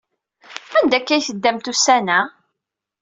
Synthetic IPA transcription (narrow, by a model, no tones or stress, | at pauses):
ænd̪ækːæjθəd̪ːæmt̪usænæ